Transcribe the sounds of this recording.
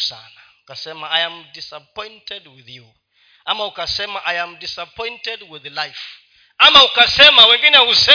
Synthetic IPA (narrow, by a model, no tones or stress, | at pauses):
sanaukasɛmaajamdisap̚ʰɔ̃jntʰɛdwiθju | amaukʼasɛmaʔajamdisapʰɔ̃jntɛdwiðlajf | amaukʼasɛmawɛ̃ŋkʼinawusɛ